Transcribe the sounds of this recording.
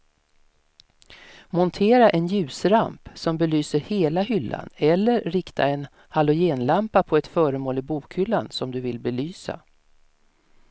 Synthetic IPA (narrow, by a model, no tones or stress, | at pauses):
mɔnt̪ʰeːɾaʔɛnjʉ̟ːsɾa̰mpsɔmbɛlyːsəɾheːlaɦʏlːa̰nɛlːəɾːɪkt̪ʰa̰ɛn | halʊjeːnlampapʰɔɛt̪fœːɾəmoːlɪbuːkʰhʏlːansɔmd̪ɵvɪlbɛlyːsa̰